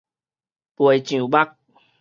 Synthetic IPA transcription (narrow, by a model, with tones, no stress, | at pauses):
pwə˨jt͡ɕũ˨˦ba˦k̚